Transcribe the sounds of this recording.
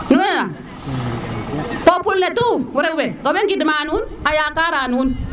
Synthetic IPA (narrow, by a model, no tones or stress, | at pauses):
kienana | populletuwuɾeubeɡobeŋɡidimaːnunajaːkaːɾanun